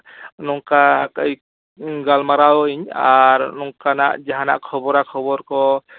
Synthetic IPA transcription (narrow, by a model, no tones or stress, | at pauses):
nɔŋkakj | ɡalmaɾawiɲaɾnɔŋkana̰ʔd͡ʒaɦana̰ʔkʰɔbɔɾakʰɔbɔɾkɔ